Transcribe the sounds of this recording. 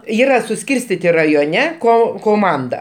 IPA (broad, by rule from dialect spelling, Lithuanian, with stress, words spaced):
ˈiːrɐ sʊˈsʲkʲiːrʲsʲtʲɪtʲɪ rɐjoːˈnʲɛ ˈkoː koːˈmɐndɐ